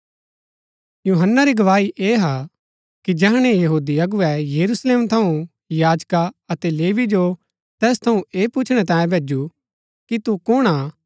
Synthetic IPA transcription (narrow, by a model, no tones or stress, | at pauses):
juːɦənːaɾiɡɐʋaːiʔeːɦa | kid͡ʒɛɦɽ̃ẽjɐɦuːd̪iɐɡʊɛjɐɾusleːmt̪ʰɐũ | jaːd͡ʒkaɐt̪ɛleːʋid͡ʒo | t̪ɛːst̪ʰɐũeːpʊt͡ʃʰɽ̃ɛt̪̬ãːjẽbʱeːd͡ʒu | kit̪ukʊɽ̃a